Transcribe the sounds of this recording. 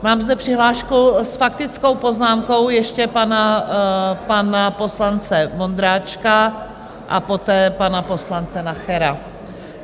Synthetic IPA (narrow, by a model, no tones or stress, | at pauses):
maːmzd̪ɛpr̝̥ɪɦlaːʃkusfakt̪ɪt͡sko̞wpo̞znaːmko̞wjɛʃcɛpana | panapo̞slant͡sɛmo̞nd̪ɾaːt͡ʃka | ʔa̰po̞t̪ɛːpanapo̞slant͡sɛnaxɛɾa